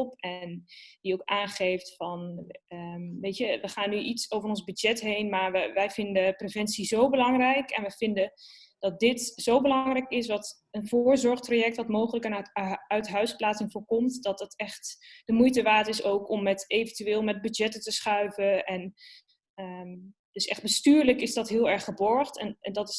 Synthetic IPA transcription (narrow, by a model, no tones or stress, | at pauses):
lˠpɛndiowkaːnχejftfɑnəmʋejtəʋəχaːnːyʔitsowvərɔnzbyd͡ʒɛtɦejnmaːɹʋəʋɛjvɪndəprevɛntsizowbəlɑŋrɛjkɛ̰nʋəv̥ɪndə | d̥ɑt̚dɪtzowbəlɑŋrɛjkɪsʋɑt | ənv̥ʊːɹzɔɹχtrajɛk̚tʋɑtmowχələkənœɥtɦœɥsplaːtsɪŋvʊːɹkɔmtdɑtətɛχtd̥əmujtəʋaːtɪsowkɔmːɛtejvəntyʋeːlˠmɛd̚byd͡ʒɛtətəsχœɥvəʔɛn | ə | d̥ɵsɛ̰χd̚bəstyːɹləkɪsdɑtɦɪːlˠɛɹχəbɔɹχtɛnɛndɑtɪs